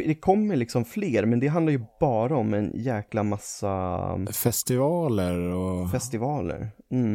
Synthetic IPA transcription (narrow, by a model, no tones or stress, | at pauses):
d̪ɛkʰɔmːəɾɭlɪksɔmfleːɾmɛnd̪ɛɦand̪ajɵbɑːɾaɔmɛ̰njɛːklamasːa̰fɛst̪ɪvɑːləɾɔfɛst̪ɪvɑːlə̰ɾm̩